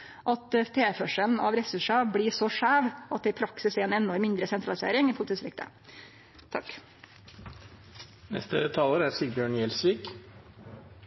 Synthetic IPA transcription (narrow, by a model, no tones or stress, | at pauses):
ʔɑt̪t̪ʰeːfœʂəln̩ɑ̰ʋɾɛsʉʂɑbɽiːsɔʂæːʋɑt̪̚d̪ɛɪpʰɾɑksɪsɛeːnɛnːɔɾmɪnd̪ɾəsɛnt̪ɾɑlɪsḛːɾɪŋiːpʰʊlɪt̪ɪsɾɪk̚t̪ʰə̰ | t̪ʰɑ̰k | nɛ̰st̪ət̪ʰɑːləɾæɾsiːbjøːɳjɛlsʋiːk